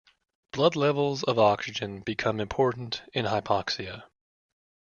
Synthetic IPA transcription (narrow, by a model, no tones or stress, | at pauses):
b̥lʌdˡlɛvl̩ˠzʌvɑksɨd͡ʒɨ̃nbɨkʰʌ̃mɨ̃mpʰɔɹʔn̩tɨ̃nɦaɪpʰɑksiɨ